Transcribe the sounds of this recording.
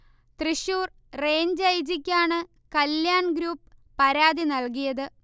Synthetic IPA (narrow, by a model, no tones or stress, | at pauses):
t̪riɕuːr | re̞ːɲd͡ʑɐjd͡ʑikʲːaːɳɨ | kɐljaːɳɡɾuːpː | ɐɾaːðinɐlkijɐðɨ